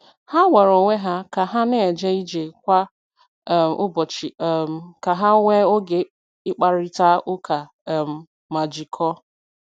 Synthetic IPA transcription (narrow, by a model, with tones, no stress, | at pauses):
ha˦we˨ɾo˨ŋʷe˦ɦa˦ka˨ɦa˦nɪ˦e˨d͡ʒe˦i˦d͡ʒe˨kʷa˦˨ | ʊ˦bɔ˨t͡ʃi˨˦˨ka˨ɦa˦ŋʷe˦o˦ɡe˨ | ɪ˦k͡pa˨ɾi˦ta˦ʔʊ˦kʰa˨ | m̩˨ | ma˨d͡ʒi˨kʰɔ˦